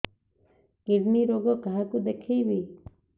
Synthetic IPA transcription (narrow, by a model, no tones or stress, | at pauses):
kiɾniɾoɡɔkaakud̪ekʰijbi